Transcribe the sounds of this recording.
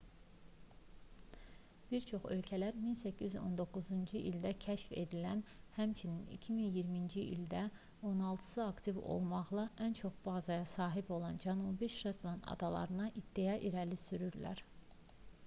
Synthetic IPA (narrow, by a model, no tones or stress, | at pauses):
b̥iɾt͡ʃʰo̞χø̞̰lcʰælæɾminsæcʰːizo̞̰nd̪o̞kːuzund͡ʒɯʔild̪æcʰæʃfe̞̰d̪ilænhæmt͡ʃʰininḭcʰiminjiɾmind͡ʒiʔḭld̪æ | o̞nɑlˠt̪ʰɯ̥sɯɑkt̪ʰivo̰lˠmɑʁlˠɑʔænt͡ʃʰo̞χb̥ɑːzɑjɑsɑːɦibo̞lˠɑnd͡ʒænubiʃɾet̪ʰlˠɑnɑ̰d̪ɑlˠɑ̰ɾɯnɑʔid̪̥ːijɑʔiɾælisyɾyɾlæ̰ɾ